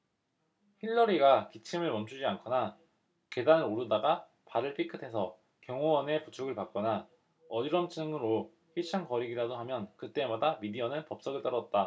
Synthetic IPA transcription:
çiɭːʌɾiɡakit͡ɕʰimɯɭmʌnt͡ɕʰud͡ʑiankʰʌna | ke̞danɯɾoɾudaɡa | paɾɯɭpʰikʰɯtʰe̞sʰʌ | kjʌŋowʌne̞put͡ɕʰoɡɯɭpak̚k͈ʌna | ʌdiɾʌnt͡ɕʰiɯŋɯɾo | ɸiɕʰaŋkʌɾiɡiɾadoɦamjʌnkɯt͈e̞madamidiʌnɯnpʌp̚s͈ʌɡɯɭt͈ʌɾʌt̚t͈a

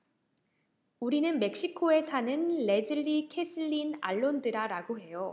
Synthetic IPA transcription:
uɾinɯnme̞k̚ɕ͈ikʰoe̞sʰanɯnːe̞d͡ʑɯɭːikʰe̞sʰɯʎːina̰ɭːondɯɾaɾaɡoɦe̞jo

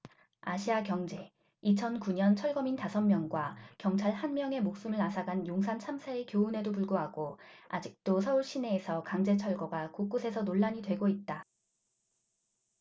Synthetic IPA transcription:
a̰ɕʰiakjʌŋd͡ʑe̞ | it͡ɕʰʌnkuɲʌnt͡ɕʰʌɭɡʌmintasʰʌnmjʌŋɡwakjʌŋt͡ɕʰaɭhanmjʌŋe̞mok̚s͈ɯmɯɭasʰaɡanjoŋsʰant͡ɕʰamsʰaekjoune̞dopuɭɡoɦaɡoad͡ʑik̚t͈osʰʌuɭɕ͈ʰine̞ːsʰʌkaŋd͡ʑe̞t͡ɕʰʌɭɡʌɡakuk͈usʰe̞sʰʌnoɭːaɲitwe̞ɡoit̚t͈a

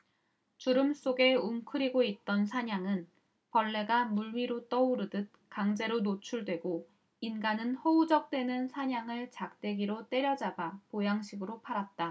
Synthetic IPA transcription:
t͡ɕuɾɯms͈oɡe̞umkʰɯɾiɡoit̚t͈ʌnsʰaɲaŋɯn | pʌɭːe̞ɡamuɭɥiɾot͈ʌuɾɯdɯt̚kaŋd͡ʑe̞ɾonot͡ɕʰuɭdwe̞ɡo | inɡanɯnhʌud͡ʑʌk̚t͈we̞nɯnsʰaɲaŋɯɭt͡ɕak̚t͈e̞ɡiɾot͈e̞ɾjʌd͡ʑabapojaŋɕʰiɡɯɾopʰaɾat̚t͈a

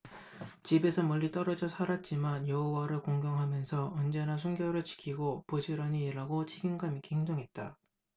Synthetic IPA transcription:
t͡ɕibe̞sʰʌmʌʎːit͈ʌɾʌd͡ʑʌsʰaɾat̚t͡ɕ͈imanjʌɦowaɾɯɭkoŋɡjʌŋɦamjʌnsʰʌɯnd͡ʑe̞nas̬ʰunɡjʌɾɯɭt͡ɕi̥kʰiɡopud͡ʑʰiɾʌɲiːɾaɡot͡ɕʰiɡinɡamikʰiheŋdoŋɦe̞t̚t͈a

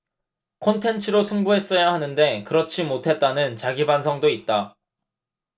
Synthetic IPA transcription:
kʰontʰe̞nt͡ɕʰɯɾosʰuŋbuɦe̞s͈ʌjaɦanɯnde̞kɯɾʌt͡ɕʰimotʰe̞t̚t͈anɯnt͡ɕaɡibansʰʌŋdoit̚t͈a

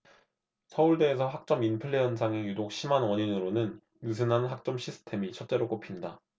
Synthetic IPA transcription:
sʰʌuɭde̞ːs̬ʰʌɦak̚t͡ɕ͈ʌminpʰɯɭːeʌnsʰaŋejudok̚ɕʰimanwʌɲinɯɾonɯn | ɯsʰɯnɦanɦak̚t͡ɕ͈ʌmɕʰisʰɯ̥tʰe̞mit͡ɕʰʌt̚t͡ɕ͈e̞ɾok͈opʰinda

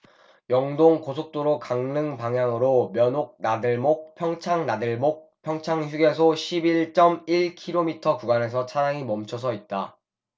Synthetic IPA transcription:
jʌŋdoŋkosʰok̚t͈oɾokaŋnɯŋpaŋjaŋɯɾomjʌnok̚nadɯɭmok̚pʰjʌŋt͡ɕʰaŋnadɯɭmok̚pʰjʌŋt͡ɕʰaŋçuɡe̞s̬ʰoɕʰibiɭt͡ɕ͈ʌmiɭkʰiɾomitʰʌkuɡwane̞s̬ʰʌt͡ɕʰaɾaŋimʌmt͡ɕʰʌs̬ʰʌit̚t͈a

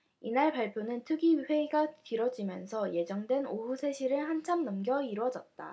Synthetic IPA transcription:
inaɭpaɭpʰjonɯntʰɯɡiɸwe̞iɡatɯɾʌd͡ʑimjʌnsʰʌje̞d͡ʑʌŋdwe̞noɸusʰe̞ɕʰiɾɯɭhant͡ɕʰamnʌmɡjʌiɾwʌd͡ʑʌt̚t͈a̰

